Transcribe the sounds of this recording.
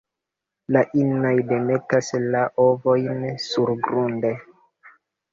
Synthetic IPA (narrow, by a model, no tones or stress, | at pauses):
laʔinnajde̞me̞taslaʔo̞vo̞jnsuɾɡɾunde